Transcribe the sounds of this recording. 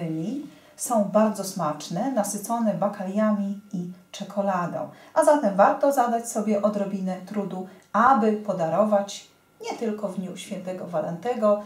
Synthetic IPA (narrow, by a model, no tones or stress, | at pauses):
ɲʲi | sɔ̃w̃baɾd̪zɔsmat͡ʂnɛnasɘt̪sɔnɛbakaljamʲiit͡ʂɛkʰɔlad̪ɔ̰̃w̃ | ʔazat̪ɛmvaɾt̪ɔzad̪at͡ɕsɔbʲjɛʔɔd̪ɾɔbʲinɛt̪ɾud̪uabɘpɔd̪aɾɔvat͡ɕ | ɲɛt̪ɘlkɔvd̪ɲuɕfʲjɛnt̪ɛɡɔvalɛ̰nt̪ɛɡɔ